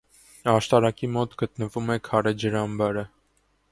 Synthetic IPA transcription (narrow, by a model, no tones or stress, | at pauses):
ɑʃt̪ɑɾɑkimɔt̪ɡət̪nəvumɛkʰɑɾɛd͡ʒəɾɑmbɑɾə